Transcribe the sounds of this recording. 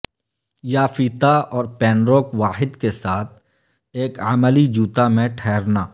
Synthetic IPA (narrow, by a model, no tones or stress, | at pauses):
jaːfiːt̪aɔːɾpɛ̃ːnɾoːkʋaːɦɪd̪kesaːt̪̚ʰ | eːkəməlid͡ʒuːt̪amẽʈʰɛːɾnaː